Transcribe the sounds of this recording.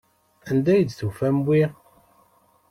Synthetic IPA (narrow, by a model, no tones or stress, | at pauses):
ænd̪æjəd̪θufæmwi